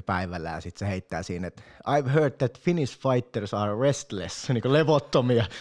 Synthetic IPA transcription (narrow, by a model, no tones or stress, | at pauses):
pæiʋælːˑæ̰ːsit̪seheit̪ːæ̰ːsiːnet̪ʔɑɪʋɦɜːd̪̚ðæt̪finisfɑit̪ːersɑːɹest̪lḛsniːŋkoleʋot̪ːomiɑ